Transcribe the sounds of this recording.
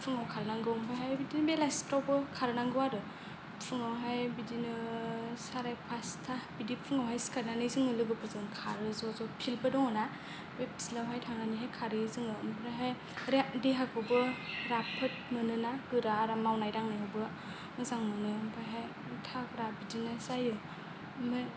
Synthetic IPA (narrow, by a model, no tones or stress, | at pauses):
pʰɯŋawkʰaɾɯnaŋɡɯwmpʰajɦajbidinbelajspɾawbɯkʰaɾɯnaŋɡɯwaɾɯ | pʰɯŋawɦajbidinɯsaɾajpʰastʰabidipʰɯŋawɦajskaɾnanɯzɯŋɯlɯɡɯbɯzɯŋkʰaɾɯzɔzɔpʰilbɯdɔŋɯna | bepʰi̥slawɦajtʰaŋnaniɦajkʰaɾɯzɯŋɯmbɾajɦaj | ɾediɦakɯwbɯɾapʰɯt̚nɯnɯnaɡɯɾaɾamawnajdaŋnɯjɦɯwbɯ | ŋɯzaŋnɯnɯmbʰaɦaj | tʰaɡɾabidinɯsajɯ | mɯj